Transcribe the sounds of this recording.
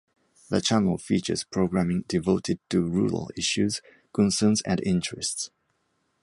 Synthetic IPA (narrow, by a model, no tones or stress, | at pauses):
ðət͡ʃʰænəl̩ˠfit͡ʃə̰z̥pʰɹ̥oʊɡɹæmɪ̃ŋdɪvoʊtʰɪd̚tuɹuːɹə̰lɪʃuz̥ | kɔ̃nsəːnzɨ̰̃ndɪ̃ntɹ̥ɛsts